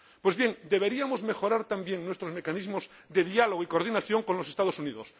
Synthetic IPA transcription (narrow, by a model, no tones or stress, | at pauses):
pwe̞zβje̞ŋd̪e̞βe̞ɾiamozme̞xo̞ɾaɾt̪ambjeŋnwe̞st̪ɾozme̞kanizmoz | d̪e̞ðialoɣoiko̞ɾð̞inaθjo̞ŋkonlose̞st̪aðosuniðos